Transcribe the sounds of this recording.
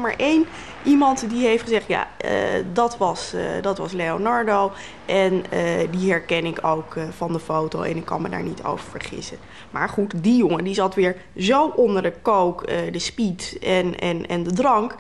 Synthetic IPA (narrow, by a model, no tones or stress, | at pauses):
ma̰ɹʔejn | ʔimɑntdiɦejftχəzɛχtja̰ə̰dɑtʋɑsdɑtʋɑsleonɑɹdow | ʔɛnədiɦɛɹkɛnɪkowkvɑndəfowtowɛ̰nɪkːɑ̰nməda̰ːɹnitʰo̰wvəɹvəɹχɪ̰sə | ma̰ːɹχutdijoŋədizɑtʋɪːɹ | zowʔʊndəɹdəkowkədəspitɛnɛ̰nɛ̰ndədrɑŋk